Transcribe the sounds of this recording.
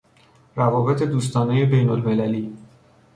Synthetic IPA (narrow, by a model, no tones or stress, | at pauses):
ɾævɒːbe̞t̪ʰe̞d̪uːs̬t̪ɒːneje̞be̞jnolme̞læliː